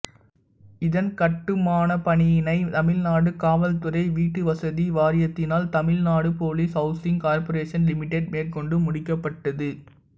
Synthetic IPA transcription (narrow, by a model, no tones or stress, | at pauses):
ɪðɐnkɐʈːɯmaːnɐpɐɳɪjɪnɐɪt̪ɐmɪlnaːɽɯkaːʋɐlt̪ɯɾɐɪʋiːʈːɯʋɐsɐðiʋaːɾɪjɐt̪ːɪnaːlt̪ɐmɪlnaːɽɯpoːliːsɦɐʊsɪŋkaːɾpɐɾeːʂɐnlɪmɪʈːeɖ̚meːrkɔɳɖɯmʊɽɪkːɐpːɐʈːɐðɯ